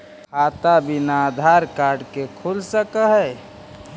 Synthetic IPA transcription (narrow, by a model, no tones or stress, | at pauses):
kʰaːt̪abinad̪ʱaɾkaːɾɖkekʰulsəkəɦɛ